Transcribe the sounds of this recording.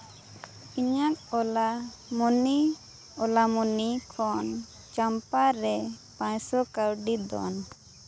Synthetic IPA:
iɲak̚ɔla | muni | ɔlamunikʰɔn | t͡ʃampaɾɛpãɲsɔkawɖid̪ɔ̰n

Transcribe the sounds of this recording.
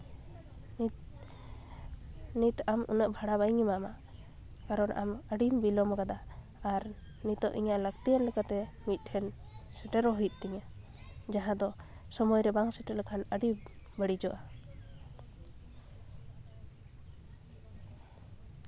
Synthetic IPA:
nit̪amṵnəʔbʱaɽaβajŋimama | kaɾɔnʔa̰məɖimbilɔmkad̪aː | ɾ | nit̪ɔ̰ʔiɲaʔləɡ̚t̪ijanlɛkat̪ɛmit̪̚ˀʈʰɛn | sɛʈɛɾɔɦuijt̪̚ˀt̪iɲa | d͡ʒaɦãd̪ɔ | sɔmɔjɾɛbaŋsɛʈɛləkʰanəɖi | bəɽid͡ʒɔʔa

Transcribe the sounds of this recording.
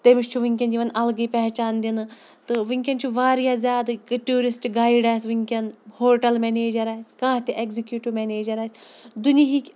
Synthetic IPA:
t̪emiʃt͡ʃʰuʋiŋʲk̬ʲɐnd͡ʒiʋɐnɐlɡɨjpɛɦt͡ʃaːnd̪inɨ | t̪ɨʋɨŋʲkʲɐnt͡ʃʰuʋaːɾjaːzʲjaːd̪kɨʈuːɾisʈɡaːjɖaːsʲʋɨŋʲkʲɐnhoːʈɐlmɛneːd͡ʒɐɾaːsʲkãːt̪ʲiʔekzikjuːʈiʋmʲeneːd͡ʒɐɾaːsʲ | d̪uniɦikʲ

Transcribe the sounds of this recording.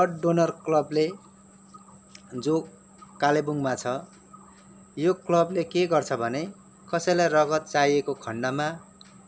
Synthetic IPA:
ʌʈ̚ɖonʌrklʌble | d͡zo | kalebuŋmat͡sʰʌ | joklʌblekeɡʌrt͡sʰʌbʱʌne | kʌsʌjlajrʌɡʌt̪̚t͡sajekokʰʌɳɖʌma

